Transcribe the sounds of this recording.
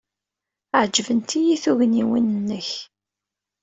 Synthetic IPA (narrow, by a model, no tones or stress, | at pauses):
ʕd͡ʒvənt̪ijiθuʝniwinənːəç